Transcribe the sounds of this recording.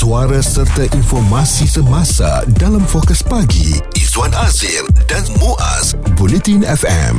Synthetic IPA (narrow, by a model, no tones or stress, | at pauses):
suaɾasərt̪aʔinfɔrmãsisəmãsa̰dalamfɔkəspaɡḭ | izwanazildanmoʔa̰s | bulɛt̪inɛfɛ̰̃m